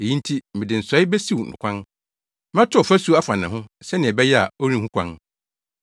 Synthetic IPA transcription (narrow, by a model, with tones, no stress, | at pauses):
e˨jĩ˦n̩˦tʰi˦mɪ̃˨dɪ˨n̩˨sɔ˨˦ɪ˦bɛ˦si˦wnʊ̰̃˨kʷʰã˦n | mã˦tʰʊ˦ɔ˨fæ˦su˨˦a˦fã˨nã̰˨ɦʊ̃˦sɛ˦nɪ̃˨ɛ˨bɛ˦jɛ˦a̰˨o˦ɾĩ˦˨hũ˦kʷʰã̰˦n